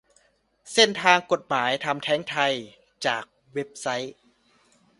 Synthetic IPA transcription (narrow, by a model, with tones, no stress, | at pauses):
se˥˩nt̪ʰaː˧ŋko˨˩t̪̚maː˩˦jt̪ʰa˧mt̪ʰɛː˦˥ŋt̪ʰa˧j | t͡ɕaː˨˩k̚ | we˦˥p̚sa˦˥j